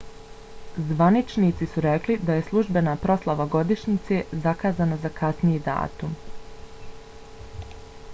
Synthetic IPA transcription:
zʋanit͡ʃniːt̪sisuɾeklid̪aje̞slˠuʒbe̞naːpɾo̞slˠaʋaɡo̞d̪iʃɲit̪se̞zakaːzanazakʰasnijed̪a̰ːt̪um

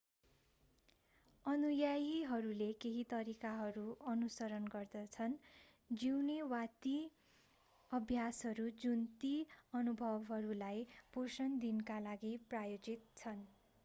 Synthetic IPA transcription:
ʌnujajiɦʌɾulekeɦit̪ʌɾikaɦʌɾuʔʌnusʌɾʌnɡʌrd̪ʌt͡sʰʌn | d͡ziwnewat̪i | ʌbʱjasɦʌɾud͡zunt̪iʌnubʱʌbɦʌɾulajb̥ʱosʌnd̪inkalaɡiprajod͡zit̪̚t͡sʰʌn

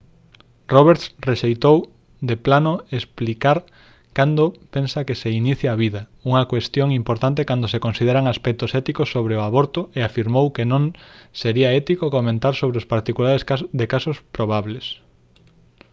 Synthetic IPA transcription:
roβeɾt̪reʃejt̪ow | d̪eplanoesplikaɾ | kand̪opensɐkeseiniθjaβiðɐuŋɐkwest̪joŋimpoɾt̪ant̪ekand̪osekonsið̞eɾaŋaspɛk̚t̪ʊsɛt̪ikosːoβɾeoaβoɾt̪ʊeafiɾmowkenõŋseɾiɐɛt̪ikokomẽnt̪aɾsoβɾeospaɾt̪ikulaɾeskad̪ekasospɾoβ̞aβles

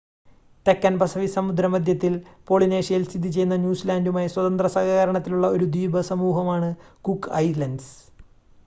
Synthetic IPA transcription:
t̪ekːɐnbɐsɐʋisɐmud̪ɾɐmɐd̪ʱjɐt̪ːilpo̞ːɭineːʂijɐlst̪id̪ʱit͡ɕe̞junːɐnʲjuːslaːndumaːjiswɐt̪ɐnd̪rɐsaːɣaːɣɐɾɐɳɐt̪ːiluɭːɐo̞ɾud̪iːbɐsɐmuːɦɐmaːɳɨ | kukːɐjɾlɐnɖs

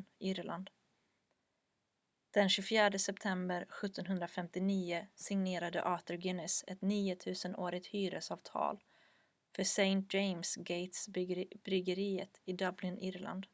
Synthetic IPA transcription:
ɪɾla̰nd̪ | d̪̥ɛnɕɵfjæːɖəsɛp̚t̪ʰɛmbəɾɧɵt̪ʰːɔnɦɵnd̪ɾafɛmt̪ɪniːʊsɪŋneːɾad̪ə̰ʔɑːt̪əɾɡɪnɪsɛt̪niːʊt̪ʰʉ̟ːsənoːɾɪt̪hyːɾəsɑːvt̪ʰɑ̰ːl | fœʂɛɪnt̪̚d͡ʒejmsɡejt̪sbb̥ɾʏɡəɾiːət̪ɪd̪ablɪnʔɪɾla̰nd̪

